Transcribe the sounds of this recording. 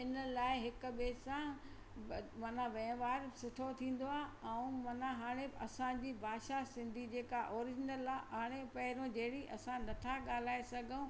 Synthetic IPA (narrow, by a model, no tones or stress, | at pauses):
ɪnəlaːɪɦɪkʊɓeːsã | mɐnãʋɛ̃ːʋaːɾsʊʈʰot̪ʰĩːn̆d̪oaːɛũmɐnãɦaːɽ̃eɐsãd͡ʑiːbʱaːʃasɪ̃nd̪ʱid͡ʑeːkaʔɔːɾɪd͡ʑɪnəlaɦaːɽ̃epɐɦɪɾõd͡ʑɐːɽiʔɐsãnɐʈʰaɠaːl̤aːesɐɡʱə̃